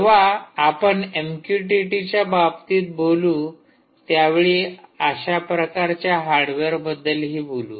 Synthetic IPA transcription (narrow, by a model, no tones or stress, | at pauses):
ʋaːpəɳemkjuʈiʈit͡ɕjabab̚t̪iːt̪̚boluː | t̪jaʋeɭiaɕapɾəkaɾt͡ɕjaɦaɾɖʋeɾbəd̪ːəlɦiːbolṵː